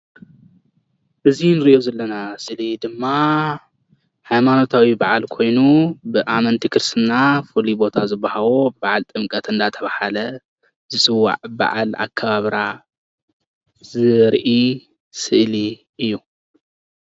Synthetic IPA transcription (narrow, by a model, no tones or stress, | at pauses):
ʔɨzinɨɾiʔozɐlːɐnasɨʔlid̪ɨmːa | hajmano̞t̪ʰawibaʕalkʰo̞jnubɨʔamɐnt̪ʰikʰɨɾsɨnːafulibo̞t̪ʰazɨbːahaβobaʕalt̪ʼɨmkʼɐt̪ɨnd̪at̪ʰɐβahalɐ | zɨsʼɨwːa̰ʕba̰ʕa̰la̰kʰːɐβaβɾa | zɨɾʔi | sɨʔli | ʔɨjːu